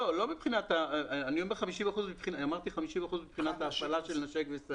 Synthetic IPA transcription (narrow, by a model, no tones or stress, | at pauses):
lolo̞mipχinat̪aanijombeχamiʃimaχuzmipχinamaʁt̪iχamiʃimaχuzmipχinat̪haːfalaʃelnaʃekvesa